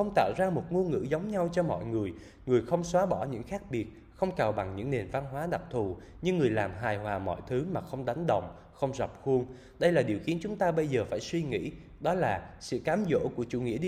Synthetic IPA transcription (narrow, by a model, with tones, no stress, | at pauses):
xə˧wŋ͡mt̪a̰ː˧˨wzaː˧mo˨˩t̚mu˧ŋɨ̰˧˥zə˨˦wŋ͡mɲa˧wt͡ɕɔ˧mɔ̰˧˨jŋɨ˨˩əj | ŋɨ˨˩əjxə˧wŋ͡mswaː˨˦ɓɔ˧˩ɲɨ̰˧˥ŋxaː˦˥k̚ɓi˨˩ət̚ | xə˧wŋ͡mkaː˨˩wɓa˨˩ŋɲɨ̰˧˥ŋne˨˩nva˧nɦwaː˨˦ɗa˨˩k̚t̪ʰu˨˩ | ɲɨ˧ŋːɨ˨˩əjlaː˨˩mɦaː˨˩jɦwaː˨˩mɔ̰˧˨jt̪ʰɨ˨˦maː˨˩xə˧wŋ͡mɗa˨˦jŋ̟ɗə̰˧˨wŋ͡m | xə˧wŋ͡mzə˨˩p̚xu˧əŋ | ɗə˧jlaː˨˩ɗi˨˩əwxi˨˦ənt͡ɕʊ˨˦ŋ͡mt̪aː˧ɓə˧jzəː˨˩faː˧˩jswi˧ŋḭ˧˥ | ɗɔ˨˦laː˨˩sɨ̰˧˨kaː˨˦mzo̰˧˥ku˧˩ət͡ɕṵ˧˩ŋḭ˧˥əɗ